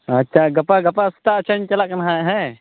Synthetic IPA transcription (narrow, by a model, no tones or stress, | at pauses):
ɐtːʃʰaɡɐpaɡɐpast̪at͡ʃʰant͡ʃɐlaʔkɐnɦãɦɛ̃